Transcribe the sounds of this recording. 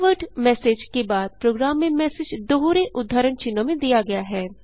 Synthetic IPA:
ʋəʈmɛːseːd͡ʒkebaːd̪̚pɾoːɡɾaːmːẽmɛːsed͡ʒd̪oɦoɾeʔʊd̪ʱːaːɾəɳt͡ʃɪnːomẽd̪ijaɡɐjaɦɛː

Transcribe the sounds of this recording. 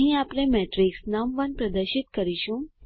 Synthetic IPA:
ɦĩapnemɛʈɾiksnamʋənpɾəd̪əɾʃit̪kəɾiʃũ

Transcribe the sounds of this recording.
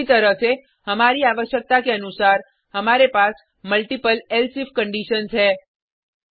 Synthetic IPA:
it̪əɾəfe | əmaɾiaʋəʃjək̚t̪akeənusaɾ | əmaɾepas | məlʈipəlelsifkəɳɖiʃənt͡ʃʰe

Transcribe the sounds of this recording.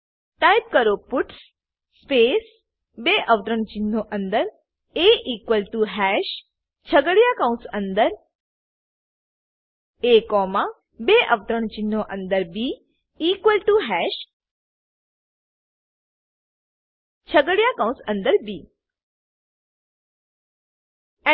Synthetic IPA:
ʈajp̚kəɾopuʈs | speːs | beʔəʋt̪ɾəɳt͡ʃinːoʔə̃nd̪əɾ | eʔiːkʋəlʈuɦɛʃ | t͡ʃʰəɡəɽjakə̃w̃sə̃nd̪əɾ | ekɔːmã | beʔəʋt̪ɾəɳt͡ʃinːoʔə̃nd̪əɾbiː | iːkʋəlʈuɦɛʃ | t͡ʃʰəɡəɽjakə̃w̃sə̃nd̪əɾbiː

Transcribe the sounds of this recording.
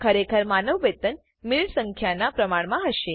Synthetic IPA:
kʰəɾekʰəɾmanəʋʋet̪ən | miɭsə̃ŋkʰjanapɾəmaɳ̃mãɦəʃe

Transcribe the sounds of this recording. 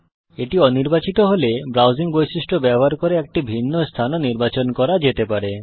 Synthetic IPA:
eʈiɔniɾbat͡ɕit̪oɦolebɾawziŋbojsisʈʰobɛboɦaɾkoɾeɛk̚ʈibʱinːost̪ʰanɔniɾbat͡ɕonkɔɾad͡ʒet̪epaɾe

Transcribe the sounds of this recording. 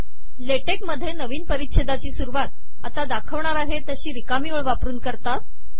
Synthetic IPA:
leʈekməd̪ʱːjenəʋiːnpəɾit̪ɕed̪at͡ɕiːsuɾuʋat̪̚ | at̪ad̪akʰəʋɳaɾaɦet̪əɕiːɾikamioɭʋapɾuːnkəɾt̪at̪̚

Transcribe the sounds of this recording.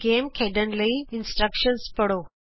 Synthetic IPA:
ɡeːmkʰeːɖən̆ləiɪ̃nsʈɾəkʃənzpɐɽ̤oː

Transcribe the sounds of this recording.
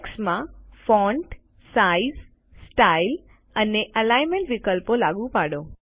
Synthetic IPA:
ksmãfɔɳʈ | saiz | sʈail | əneʔəlajmeɳʈʋikəlpolaɡũpaɽo

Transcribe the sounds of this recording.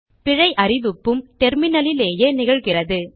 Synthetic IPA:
pɪɻɐɪʔɐɾɪðɯpːɯmt̪ɛɾmɪnɐlɪleːjɐnɪɣɐɻɣɪrɐðɯ

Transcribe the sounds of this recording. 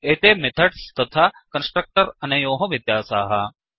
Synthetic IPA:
eːt̪emɪt̪ʰɐʈst̪ɐt̪ʰakɐnsʈɾək̚ʈəɾɐnejoːɦoʋid̪jaːsaːɦɐ

